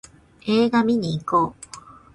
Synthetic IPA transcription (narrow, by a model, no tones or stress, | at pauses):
eːɡamʲiɲiːkoː